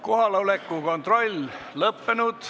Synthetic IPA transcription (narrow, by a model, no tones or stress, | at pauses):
ko̞ɦɑlɑolekːˑuko̞nt̪ro̞lʲlɤpːenud̪̥